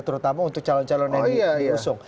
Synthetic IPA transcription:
t̪uɾut̪amaunt̪ʊk̚t͡ʃalɔnt͡ʃalɔnɛiusʊŋ

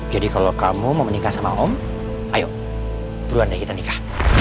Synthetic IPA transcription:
d͡ʒadikalokamuməmənikahsama̰ʔɔm | ajoʔ | t̪uɾuandakit̪anikah

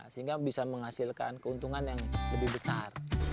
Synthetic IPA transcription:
səɦiŋɡabisaməŋhasilka̰nkəunt̪uŋanjaŋləbɪhbəsar

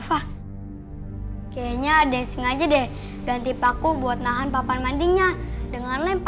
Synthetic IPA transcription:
fah | kajaɲadɛsiŋad͡ʒadɛ | ɡant̪ipakubuat̪̚naɦanpapanmandiŋɲadəŋarlanp

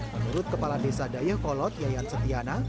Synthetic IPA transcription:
mənuɾʊt̪̚kəpaladesadajəhkɔlɔt̪jajansət̪iana

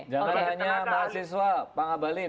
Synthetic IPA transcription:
d͡ʒaŋanɦaɲamaasis̬wapaŋabalɪ

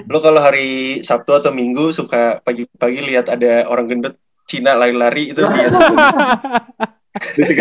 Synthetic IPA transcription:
lokaloɦaɾisap̚t̪uat̪awmiŋɡusukapaɡipaɡiliɦat̪adaoɾaŋɡəndʊt̪̚ | t͡ʃinalaɾilaɾiːt̪ubia

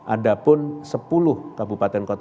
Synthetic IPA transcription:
ʔadapʊnsəpulʊhkabupat̪ɛnkot̪

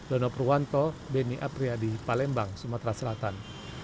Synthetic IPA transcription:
dɔnɔpruwant̪ɔbɛniʔapriadipalɛmbaŋsumat̪ɾasəlat̪an

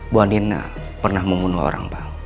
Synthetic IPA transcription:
buandinːa̰ | pərnahməmbunuɦo̰ɾa̰ŋpa

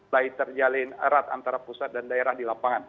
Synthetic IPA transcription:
ait̪ərd͡ʒalɪnəɾat̪a̰nt̪aɾapusat̪̚dandaeɾahdilapaŋan

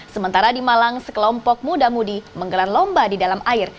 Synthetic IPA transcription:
səmənt̪aɾadimalaŋsə̥kəlɔmpɔk̚mudamudiməŋɡəlarlɔmbadidalamʔaɪr

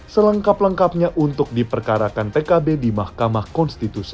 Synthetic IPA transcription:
sələŋkapləŋkap̚ɲaʔunt̪ʊk̚dipərkaɾakant̪ekabedimahkamahkɔnst̪it̪usi̥

